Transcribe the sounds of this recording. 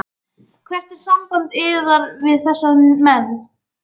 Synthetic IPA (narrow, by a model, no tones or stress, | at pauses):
kʰvɛr̥t̪ɛɾ̥samkamt̪ɪðaɾvɪðθɛsːamɛn